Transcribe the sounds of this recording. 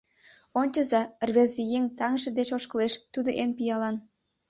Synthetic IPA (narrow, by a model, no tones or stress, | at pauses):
onʲt͡ɕəzɑrβezijeŋʲt̪ɑŋəʒĕd̪et͡ɕoʃkə̆leʃt̪ud̪oʔenpijɑlɑn